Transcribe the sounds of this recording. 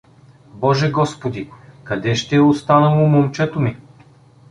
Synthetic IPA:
bɔʒɛɡɔspod̪ikɐd̪ɛʃt̪ɛost̪anəlˠomomt͡ʃɛt̪omi

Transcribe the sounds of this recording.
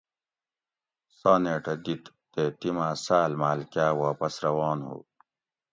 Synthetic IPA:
saːneːʈɐd̪it̪ːeːt̪imaːsaːlmaːlkaːwaːpɐsɾɐwaːnhṵː

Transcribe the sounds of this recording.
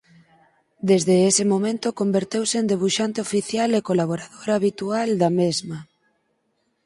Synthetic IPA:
d̪ezðeesɪmomẽnt̪okombeɾt̪ewseːnd̪eβ̞uʃant̪eofiθjalekolaβ̞oɾaðoɾaːβit̪uald̪amezma

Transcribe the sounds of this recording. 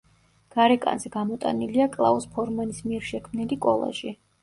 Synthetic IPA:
ɡ̥aɾɛkʼa̰nzɛɡamɔt̪ʼa̰niliakʼlˠa̰ɔspʰɔɾmanismiɛɾʃɛkʰmnilikʼɔ̰lˠa̰ʒi

